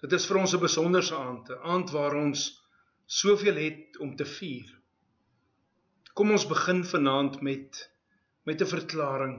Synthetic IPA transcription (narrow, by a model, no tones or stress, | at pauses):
d̥ətəsfəɾɔnsəbəsɔndərsəɑːntəʔɑːntvɑːɾɔnsː | uəfiəlɦɛtɔmtəfiːr | kɔmɔnsbəχənfənɑːntmɛt | mɛtəfərklɑːɾəŋ